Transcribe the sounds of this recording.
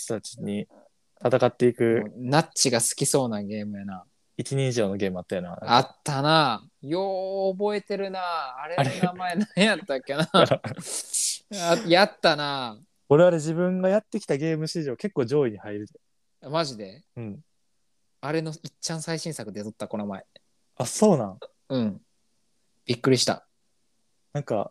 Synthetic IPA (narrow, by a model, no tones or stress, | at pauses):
t̪ot̪at͡ɕi̥ɲ̟i | t̪at̪akat̪ːeikɯ̟nat͡ɕiɡasɨ̥kʲiso̞ːnaɡe̞ːmɯ̟jana | it͡ɕiɲẽiʑo̞ːno̞ɡe̞ːmɯ̟at̪ːajonaat̪ːana | joːbo̞e̞t̪e̞ɾɯ̟naːɾenamaenajat̪ːakʲːena | ajat̪ːana | o̞ɾe̞βaɾe̞d͡ʑibɯ̟̃ŋɡajat̪ːe̞kʲi̥t̪aɡe̞ːmɯ̟ɕiʑoːke̞kːo̞ːd͡ʑo̞ːiɲihaiɾɯ̟t̪o | amaʑid̪e̞ | ɯ̟̃ɴ | aɾe̞no̞it͡ɕːãɰ̃saiɕĩɰ̃sakɯeat̪ot̪ːako̞nomae̞ | aso̞ːnã | ɯ̟̃ɴ | b̥ʲikːɯ̟ɾʲiɕi̥t̪a̰ | nãŋka̰